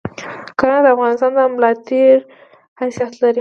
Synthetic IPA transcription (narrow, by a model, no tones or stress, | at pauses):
kənad̪əafɣɑnɪst̪ɑnd̪əmlɑt̪eɾ | hasjat̪laɾi